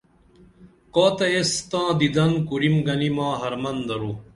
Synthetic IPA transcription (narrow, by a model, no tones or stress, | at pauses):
kaːt̪ɐest̪ãːd̪id̪ɐnkuɾimɡɐnimãːɦɐɾmɐnd̪ɐɾuː